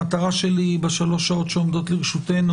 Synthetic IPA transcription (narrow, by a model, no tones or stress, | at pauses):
at̪aʁaʃelibeʃalo̞ʃao̞t̪ʃeo̞md̪o̞t̪liʁʃut̪e̞nu